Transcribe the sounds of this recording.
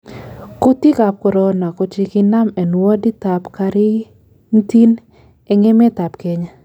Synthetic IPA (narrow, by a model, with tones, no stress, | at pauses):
ko˦t̪i˦ka˨p̚ko˨ɾɔ˨na˨ko˦t͡ʃi˧ki˦na˦mɛ˨n˨wɔ˦di˦t̪a˨pka˧ɾɪ˦ | n̩˦ti˦n | ɛ˨ŋe˦mɛ˦t̪a˨pkɛ˦ɲa˦